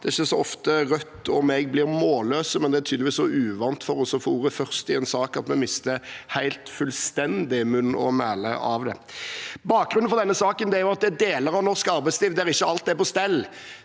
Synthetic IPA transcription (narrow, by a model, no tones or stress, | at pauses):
d̪̥ɛɪçːəsɔɔft̪əʁœt̪ːɔmɛɡ̚blɪɾmoːløːsəmɛnd̪ɛæɾt̪ʰyd̪ʋiːsɔʉːʋɑnt̪fɔɾɔsɔfuːʁɾəfœɾst̪ɪɛnsɑːkɑt̪mɛmɪst̪əhæɪlt̪fʉlst̪ɛnd̪ɪmʉnːɔ̰mæːlə̰ʔɑʋd̪ɛ̰bɑːk̚ɡɾʉn̩fɔʁd̪ɛnːəsɑːkənd̪ɛæɾjʊɑt̪̚d̪ɛd̪eːləɾɑʋnɔʁskɑɾbæɪsliːʋd̪ɛæɾɪçːəɑlt̪d̪ɛpɔst̪ɛlː